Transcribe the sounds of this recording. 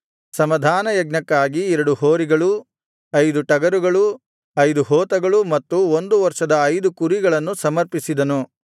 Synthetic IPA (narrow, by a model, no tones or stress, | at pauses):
sɐmɐd̪ʱaːnɐjɐɡnɐkːaːɡiɛɾɐɽuhoːɾiɡɐɭu | ɐjd̪uʈɐɡɐɾuɡɐɭu | ɐjd̪uɦɔːt̪ɐɡɐɭumɐt̪ːuond̪uʋɐɾʂɐd̪ɐːjd̪ukuɾiɡɐɭɐnːusɐmɐɾpisid̪ɐnu